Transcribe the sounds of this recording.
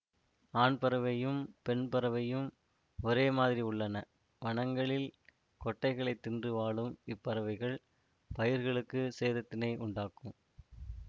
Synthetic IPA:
aːɳpɐɾɐʋɐjɯmpɛnpɐɾɐʋɐjɯm | ɔɾeːmaːðɪɾiʊɭːɐnɐ | ʋɐɳɐŋɡɐɭɪl | kɔʈːɐɪɣɐɭɐɪt̪ːɪndrɯʋaːɭɯmɪpːɐɾɐʋɐɪɣɐɭ | pɐjɪɾɣɐɭɯkːɯseːðɐt̪ːɪnɐɪʔʊɳɖaːkːɯm

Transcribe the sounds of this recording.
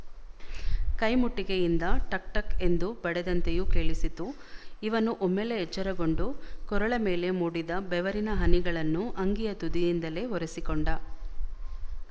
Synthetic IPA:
kɐjmuʈːikejind̪ɐʈɐk̚ʈɐke̞nd̪ubɐɽɛd̪ɐnt̪ejukeːɭisit̪u | iʋɐnuʔɔmːele̞ɦɛt͡ʃːɐɾɐɡo̞ɳɖukɔɾɐɭɐme̞ːle̞muːɽid̪ɐbɛʋɐɾinɐɦɐniɡɐɭɐnːuʔɐŋɡijɐt̪ud̪ijind̪ɐle̞ɦɔɾesikoɳɖɐ

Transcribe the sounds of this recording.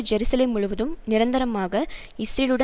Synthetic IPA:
d͡ʒɛɾɯsɐlemːʊɻʊʋɐðɯmnɪɾɐnd̪ɐɾɐmaːɣɐ | ɪsɾilɯɽɐ

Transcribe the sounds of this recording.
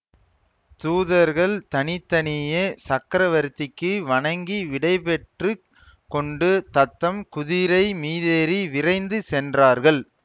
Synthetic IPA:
t̪uːðɐɾɣɐɭt̪ɐnɪt̪ːɐnɪjɐsɐkːɐɾɐʋɐɾt̪ːɪkːɯʋɐɳɐŋɡiʋɪɽɐɪpɛʈrɯ | kːɔɳɖɯt̪ɐt̪ːɐmkʊðɪɾɐɪmiːðeːɾiʋɪrɐɪnd̪ɯsɛndraːɾɣɐɭ

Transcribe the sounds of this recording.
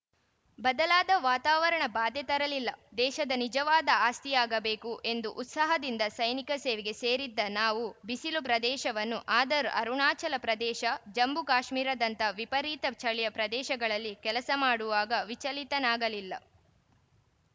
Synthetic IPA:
bɐd̪ɐlaːd̪ɐʋaːt̪aːʋɐɾɐɳɐbaːd̪ɛt̪ɐɾɐlilːɐd̪ɛːʃɐd̪ɐnid͡ʒɐʋaːd̪ɐaːst̪ijaːɡɐbeːkuʔe̞nd̪uʔːt̪sɐɦɐd̪ind̪ɐsɐjnikɐseːʋɛɡe̞seːɾid̪ːɐnaːʋubisilupɾɐd̪ɛːʃɐʋɐnːuʔaːd̪ɐɾuʔɐɾuɳaːt͡ʃɐlɐpɾɐd̪ɛːʃɐd͡ʒɐmbukaːʃmiːɾɐd̪ɐnt̪ɐʋipɐɾiːt̪ɐt͡ʃʰɐɭɛjɐpɾɐd̪ɛːʃɐɡɐɭɐlːikɛlɐsɐmaːɽuʋaːɡɐʋit͡ʃɐlit̪ɐnaːɡɐlilːɐ̰

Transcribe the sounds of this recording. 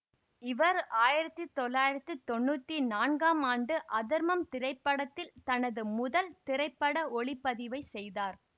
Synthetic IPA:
ɪʋɐɾaːjɪɾɐt̪ːɯt̪ːɔlːaːjɪɾɐt̪ːɯt̪ːɔnːuːt̪ːinaːnɡaːmaːɳɖɯʔɐðɪɾmɐmt̪ɪɾɐɪpːɐɽɐt̪ːɪlt̪ɐnɐðɯmʊðɐlt̪ɪɾɐɪpːɐɽɐɔɭɪpːɐðɪʋɐɪsɛjðaːɾ

